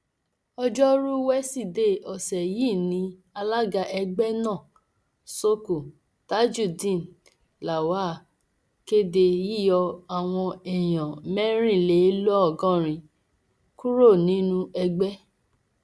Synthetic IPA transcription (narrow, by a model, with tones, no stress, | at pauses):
ɔ˧d͡ʒɔ˦ɾu˦wɛ˦si˦˨de˧˨ɔ˨sɛ˨jiː˦˨nĩ˨˦ | a˧la˦ɡa˧ʔɛ˧ɡ͡bɛ˦nã˦˨ | so˦ku˨ | ta˨˦d͡ʒu˦˨dĩ˦˨n | la˨waː˦˨ | ke˦de˧ji˦˨jɔ˧a˨w̃ɔ̃˧ɛ˨j̃ã˨mɛ˦ɾ̃ĩ˦˨le˨˦lu˦ɔ˦˨ɡɔ̃˦ɾ̃ĩ˧ | ku˦ɾo˦˨nĩ˨˦nũ˦ɛ˧ɡ͡bɛ˦